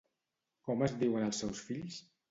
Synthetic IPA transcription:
kɔməzdiwənəlˠsːɛwsfiʎs

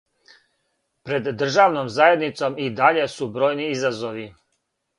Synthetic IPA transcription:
pɾe̞d̪ːr̩ʒaːʋnomzajed̪nit̪so̞mid̪aʎe̞subɾo̞ːjniizazo̞ʋi

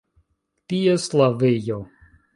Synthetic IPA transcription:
tieslavejo

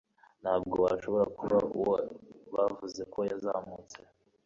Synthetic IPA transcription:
nhaːbɡoβaɾʃo̞βo̞ɾakuβauwβavuze̞kʰojazamut͡se

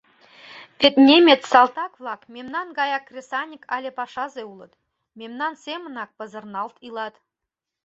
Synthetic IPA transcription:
pʲet̪nʲemʲet̪sɑlˠt̪ɑkvlˠɑkmʲemnɑnɡɑjɑkːrʲesɑnʲikʰɑ̰lʲepɑʃɑzeulˠɤ̆t̪ | mʲemnɑnsʲemə̆nɑk̚pə̆zə̆rnɑlˠt̪ilˠɑt̪

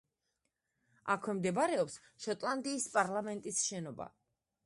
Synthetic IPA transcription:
a̰kʰwɛmd̪ɛbaɾɛɔps | ʃɔt̪ʼlˠand̪iːspʼaɾlamɛnt̪ʼisʃɛnɔba̰

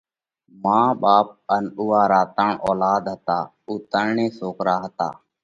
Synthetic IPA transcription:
mãːɓaːp̚ənuːaːɾaːt̪aːɳoːlaːd̪ɦət̪aː | uːt̪ənɳẽːsoːkɾaːɦət̪a̰ː

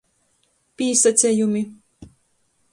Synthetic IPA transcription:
pʲisat̪sʲɛjumʲi

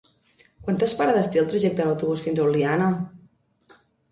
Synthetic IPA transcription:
kwant̪əspaɾaðəst̪eəlˠt̪ɾəʒɛk̚t̪ənəwt̪uβusfinzəuwlianə

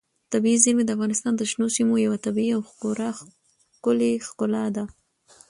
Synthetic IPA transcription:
t̪abiizimed̪əafɣɑnɪst̪ɑnd̪əʃnosimojawat̪abiiawxoɾa | kʊlexkʊlɑd̪a

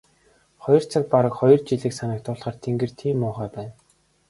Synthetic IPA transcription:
χɔjɞ̆r̥t͡sʰăk̚paɾə̆kχɔjɞ̆rt͡ɕiɮiːksanə̆k̚t̪ʰʊɮχaːrt̪ʰeŋɡɘ̆r̥t̪ʰiːmːʊːχæːpæːn

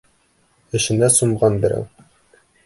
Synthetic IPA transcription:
ɘ̆ʃɘ̆næsumʁɑnbɘ̆ɾæ̰w

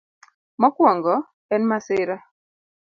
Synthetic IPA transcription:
mɔkwɔŋɡɔ | ɛnmasɪɾa

